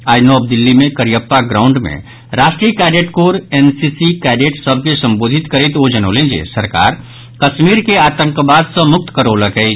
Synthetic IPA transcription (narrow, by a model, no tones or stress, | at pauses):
aːd͡ʒnɔːb̚d̪ɪlːimẽkəɾijəpːaɡɾaːʊɳɖmḛ̃ | ɾaːʃʈɾijəkɛːɖeːʈkoːɾeːnsisikɛːɖeʈsəb̚ʱkesə̃mboːd̪ʱɪt̪kəɾet̪oːd͡ʒənoːlẽd͡ʒḛsəɾka̰ːɾ | kəʃmiːɾkeaːt̪ə̃ŋkbaːd̪sə̃mʊk̚t̪kəɾoləkɛi